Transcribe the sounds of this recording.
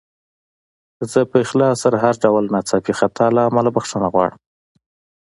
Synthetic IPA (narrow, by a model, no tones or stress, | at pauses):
zəpəɪxlɑsaɾaɦaɾɖawlnɑt͡sɑpixat̪ʰɑlaːmalabaxʂənaɣwɑ̰ɽəm